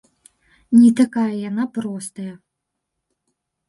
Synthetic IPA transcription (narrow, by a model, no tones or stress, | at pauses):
nʲit̪akajɐjan̪apɾɔst̪ɐjɐ